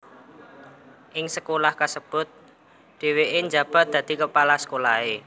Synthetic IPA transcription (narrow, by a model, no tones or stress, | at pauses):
ʔɪŋsəkolahkasəb̥ʊ̤t̪̚ | d̪̥e̤weʔɪɲd͡ʒa̤b̥a̤t̪̚d̪̥ä̤d̪̥i̤kəpalasə̥kolae